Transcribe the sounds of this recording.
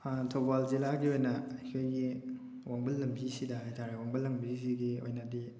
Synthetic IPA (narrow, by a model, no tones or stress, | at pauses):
tʰobalzilaɡiojnɐɐjkʰojɡi | wʔaŋbɐlːɐmbisidɐɦajtʰaɾawaŋbɐlːɐmbis̬iɡio̰jnɐdi